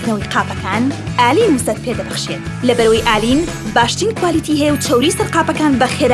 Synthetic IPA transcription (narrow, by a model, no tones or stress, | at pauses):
nɐwiqaːpɐkaːnʔaːliːnuzɐt̪̚pʰeːd̪ɐbɐxʃet̪ | lɐbɐɾɐwəjʔaːliːn | baːʃt̪iːnkwaːliːt̪ʰiːɦɛjewt͡ʃʰɐwɾiːsɐɾqaːpɐkaːnbɐxeɾ